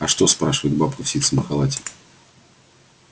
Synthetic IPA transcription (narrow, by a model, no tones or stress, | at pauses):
ɐʂt̪o̞spɾaʂɨvəjɪd̪̚bapkʊfsʲit̪səməxalˠatʲɪ